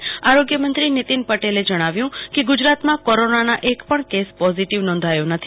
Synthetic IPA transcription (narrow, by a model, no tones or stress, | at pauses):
aɾoɡjəmənt̪ɾinit̪inpəʈeled͡ʒəɽ̃aʋjũkeɡud͡ʒɾat̪mãkɔɾonanaʔekpəɳkespɔziʈiʋnɔ̃nd̪ʱajonət̪ʰi